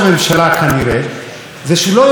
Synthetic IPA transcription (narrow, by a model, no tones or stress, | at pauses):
me̞mʃalakaniɾe | zeʃelo